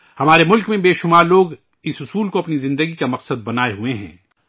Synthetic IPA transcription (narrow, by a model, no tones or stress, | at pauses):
hɐmaːɾemʊlkmẽbeːʃʊmaːɾloːɡ | ɪsʊsuːlkoɐpnizɪ̃nd̪əɡikamɐqsəd̪̚bɐnaːeɦueɦɛ̰̃ː